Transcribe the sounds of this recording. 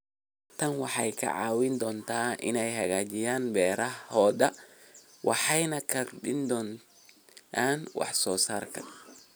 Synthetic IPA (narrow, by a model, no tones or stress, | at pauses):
t̪ʰɐnwɑħɑjkʰɐ̰ʕɑːwɪnd̪ɔːnt̪ʰaːʔɪ̰nɛjɦɐɣaːt͡ʃɪjaːnbɛːɾɐhhɔːd̪ɐ | wʔɑ̰ħɑjnɐkʰɐɖɪnd̪ɔːn | aːnwɑ̰ħsɔːsaːrkʰɐ̥